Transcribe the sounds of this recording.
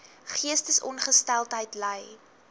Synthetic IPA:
χiəstəsɔnχəstælˠtɦəjtləj

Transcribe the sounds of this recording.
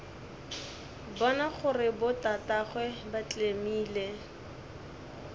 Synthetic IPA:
bɔnaχʊrɪbʊtataχwɛbat͡ɬʼemiːle

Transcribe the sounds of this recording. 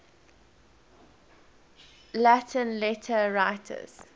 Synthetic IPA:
lætʰə̃nlɛtʰəɹaɪtʰə̰z̥

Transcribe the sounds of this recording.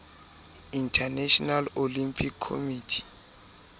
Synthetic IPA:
intʰanɛʃɔnalolimpʰikʰːo̰mitʰi̥

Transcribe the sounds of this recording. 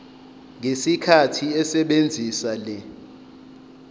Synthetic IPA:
ŋʱesikʰatʰiɛsɛɓend͡zʱisalɛ

